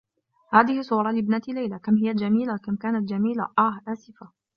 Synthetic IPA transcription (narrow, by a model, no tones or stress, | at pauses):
haːðɪhɪsˤuːɾˤɑlɪbnat̪ilajlakamhɪjald͡ʒamiːlakamkaːnat̪d͡ʒamiːla̰ʔahʔaːsɪfa